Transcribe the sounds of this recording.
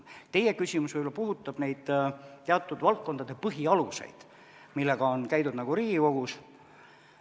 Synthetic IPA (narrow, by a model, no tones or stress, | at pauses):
t̪e̞je̞kysʲimusvɯjbolɑpuɦut̪ːˑɑb̥ne̞jd̪̥t̪eɑt̪ːˑud̪vɑlt̪̚ko̞nd̪̥ɑd̪e̞pɤɦiɑluse̞̰jd̪̥ | milːe̞ɡ̥ɑonkæjd̪ud̪nɑɡ̥uɾiːɡiko̞ɡ̥us